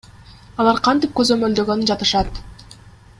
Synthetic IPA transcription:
ɑlˠɑɾqʰɑnt̪ip̚kø̞zø̞mø̞ld̪ø̞ɡønynd͡ʒɑt̪ɯʃɑt̪

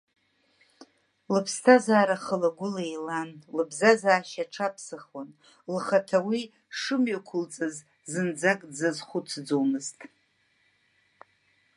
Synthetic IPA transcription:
lɨpʰstʰazaːɾaχəlaɡʷʊlejlanlɨbzazaːʃaʈ͡ʂʰapʰsɨχwan | lχatʰawi | ʂɨmɥakʷʰʊlt͡sʼɨz | zɨnd͡zakʼd͡zazχʷʊt͡sʰd͡zowmɨztʼ

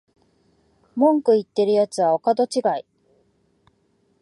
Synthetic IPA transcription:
mõŋkɯ̟it̪ːe̞ɾɯ̟jat͡sɨβaokad̪o̞t͡ɕiɡai

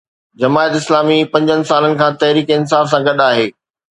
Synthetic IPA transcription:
d͡ʑɐmaːjt̪ɪslaːmipɐ̃ɲd͡ʑənɪ̆saːlənɪ̆kʰãːt̪ɐɦɾiːkɪnsaːfsãɡɐɗaːɦeː

